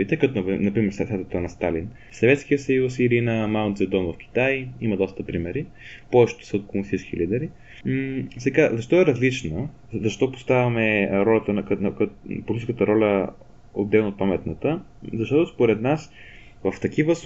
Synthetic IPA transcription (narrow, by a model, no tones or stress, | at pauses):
it̪ɛkɐt̪ovnɐpɾimɛɾssɛt̪t̪ənɐst̪alin | sɐvɛt̪sk̟ijəsɐjusilinəmawt̪zɛd̪ɔnvɐfk̟ʲi̥t̪ajimɐd̪ɔst̪əpɾimɛɾi | pɔvɛʃt̪o̥sɐot̪̚komsit͡ʃkilid̪ɛɾi | sɛɡazɐʃt̪ɔɛɾɐzlit͡ʃnə | zɐʃt̪ɔpo̥st̪avʲɐmɛɾɔlʲɐt̪ənknkpolʲii̥skət̪əɾɔlʲə | o̰d̪ːɛlˠnot̪̚pamɛt̪nət̪ə | zɐʃt̪ɔt̪ospoɾɛd̪nas | vəft̪ɐk̟ivəs